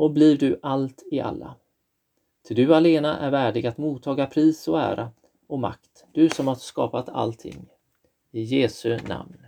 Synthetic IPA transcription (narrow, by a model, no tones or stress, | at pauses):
ɔbliːvd̪ɵʔalt̪ɪa̰lːa̰ | t̪ʰɪld̪ɵaleːnaʔæɾvæːɖɪɡat̪muːt̪ʰːɑːɡapʰɾiːsɔæ̰ːɾʔa | ɔma̰k̚t̪d̪̥ɵsɔmhaɾskɑ̰ːpat̪ʰa̰lt̪ʰɪ̰ŋː | ɪjeːsɵna̰mn